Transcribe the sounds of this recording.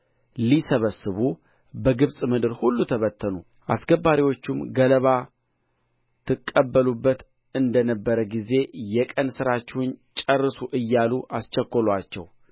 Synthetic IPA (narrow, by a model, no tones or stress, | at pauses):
lisəβəsːɨβu | bəɡɨβsʼmɨd̪ɨɾhulːut̪ʰəβət̪ʰːənu | ʔa̰sɡəbːaɾiwo̞t͡ʃːumɡələβa | t̪ʰɨkʼːəbːəlubːət̪ | ɨnd̪ənəbːəɾəɡize̞jɛkʼənsɨɾat͡ʃːɛhʊnt͡ʃʼərːɨsuʔɨjːaluʔast͡ʃəkʷːolat͡ʃːɛ̰w